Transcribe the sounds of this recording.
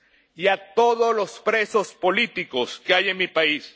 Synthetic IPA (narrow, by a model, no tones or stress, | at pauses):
jat̪o̞ðozlo̞spɾe̞so̞spo̞lit̪iko̞skeajenmipais